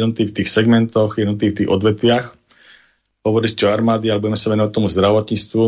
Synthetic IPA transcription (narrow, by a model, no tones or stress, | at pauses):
ɔmt̪iːft̪iːxsɛɡmɛnt̪ɔxjɛd̪ɔmt̪iːft̪iːɣɔd̪ʋɛt̪ʋɪax | ɦɔʋɔɾiscɛɔaɾmaːd̪ialɛbuɟɛmɛsaʋɛnʊʋac̚t̪ɔmuzd̪ɾaʋɔt̪ɲiːt͡st̪ʋu